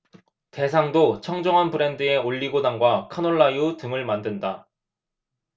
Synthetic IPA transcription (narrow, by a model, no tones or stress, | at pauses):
te̞sʰaŋdot͡ɕʰʌŋd͡ʑʌŋɦanpɯɾe̞ndɯe̞oʎːiɡodaŋɡwakʰanoɭːaiutɯŋɯɭmandɯnda